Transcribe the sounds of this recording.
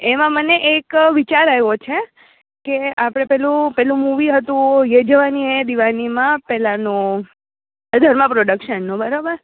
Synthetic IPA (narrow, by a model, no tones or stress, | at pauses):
emãməneʔekʋit͡ʃaɾajʋot͡ʃʰe | keapəɽ̃epɛlũpɛlũmuʋiɦət̪ũjed͡ʒəʋaniẽd̪iʋanimãpɛɦlanõ | d̪ʱəɾmãpɾoɖəkʃənːõbəɾabəɾ